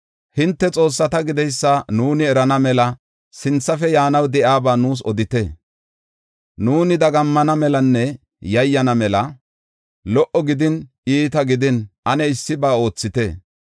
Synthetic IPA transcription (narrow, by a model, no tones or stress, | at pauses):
hɪnt̪ːɛt͡sʼo̞ːsːɐt̪ɐɡɪd̪ɛjsːɐnuːnɪɛɾɐnɐmɛlɐ | sɪnt͡sːɐfɛjaːnɐwd̪ɛʔaːbaːnuːs̬ɔd̪ɪt̪ɛ | nuːnɪd̪ɐɡɐmːɐnɐmɛlɐnːɛ | jɐjːɐnɐmɛlɐ | lɔʔɔɡɪd̪ɪn | iːt̪ɐɡɪd̪ɪnʔɐnɛɪsːɪbaːo̞ːt͡sːɪt̪ɛ̰ː